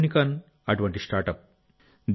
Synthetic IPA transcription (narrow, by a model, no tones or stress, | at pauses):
nikan | ɐʈʋɐɳʈisʈaːɾʈɐp̚ | d̪